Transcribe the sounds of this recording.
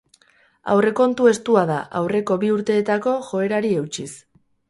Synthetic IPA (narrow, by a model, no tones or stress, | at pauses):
a̰wre̞ko̞nt̪ue̞st̪uaðaʔawre̞ko̞βiuɾt̪e̞ːt̪ako̞ʝo̞e̞ɾaɾie̞wt͡ʃis